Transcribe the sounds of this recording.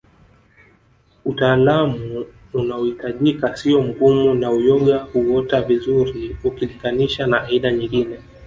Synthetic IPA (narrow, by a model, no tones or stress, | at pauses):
utaːlamuː | naɔhitaʄikasiɔm̩ɡumunaujɔɠahuwɔtavizuɾiukiliŋɡaniʃanaʔːiɗaɲiŋɡinɛ